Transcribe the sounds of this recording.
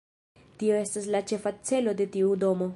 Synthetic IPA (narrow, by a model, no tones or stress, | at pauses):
tio̞e̞staslat͡ʃe̞fat͡se̞lo̞de̞tiudo̞mo̞